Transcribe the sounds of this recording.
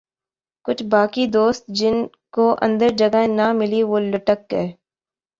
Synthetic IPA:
kʊt͡ʃʰbaːkid̪oːst̪̚d͡ʒɪn | koʔɐ̰̃nd̪əɾd͡ʒɐɡaɦẽnamɪliʋoːlɐʈəkɦɛː

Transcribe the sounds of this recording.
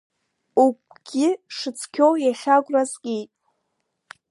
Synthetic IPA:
uk̚ʷʰʼɡ̥ʲɪʂɨt͡sʰkʲʰowjaχʲaɡʷʼrazɡʲitʼ

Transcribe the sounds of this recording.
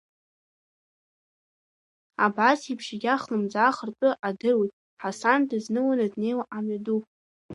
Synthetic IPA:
abasipʰʂaɡʲaχlɨmd͡zaːχərtʼɨʔadɨrwijtʼ | ħasandɨznɨwanadne̞jwaʔamɥadupʼ

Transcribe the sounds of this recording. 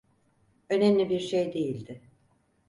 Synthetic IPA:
ø̞nemlʲibiɾʃejd̪e̞jilʲd̪ɪ

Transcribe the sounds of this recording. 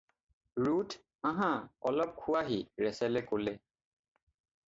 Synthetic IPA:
ɹut | ãɦãɔlɔp̚kʰuaɦiɹɛsɛlɛkolɛ

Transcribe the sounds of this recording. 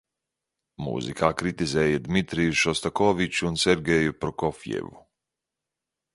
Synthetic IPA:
mṵːzikʰaːkɾit̪izɛːjad̪mit̪ɾijuʃɔst̪akɔvit͡ʃuːnseɾɡʲejupɾɔkɔfjɛ̰vu

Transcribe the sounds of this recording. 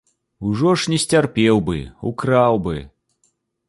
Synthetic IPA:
uʐɔʂnʲɛsʲt͡sʲarpʲɛwbɨ̰ṵkɾawbɨ

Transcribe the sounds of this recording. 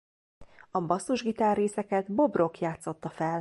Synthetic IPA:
ɒbɒsːuʒɡit̪aːrːeːsɛkɛt̪bo̞bro̞kjaːt̪so̞t̪ːɒfɛl

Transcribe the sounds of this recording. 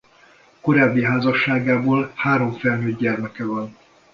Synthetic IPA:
ko̞ɾaːbːiɦaːzɒʃːaːɡaːboːlhaːɾo̞ɱfɛlnøːɟɟɛrmɛkɛvɒn

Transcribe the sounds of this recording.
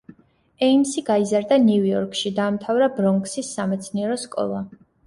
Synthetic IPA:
ɛimsiɡaizaɾd̪aniujɔɾkʰʃid̪aːmt̪ʰavɾabɾɔŋksisːamɛt̪sʰniɛɾɔskʼɔ̰lˠa

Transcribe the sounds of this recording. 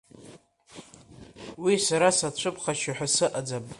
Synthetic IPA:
wisaɾasat͡ɕʷʰɨpʰχaʃaħʷᶣasɨʔad͡zam

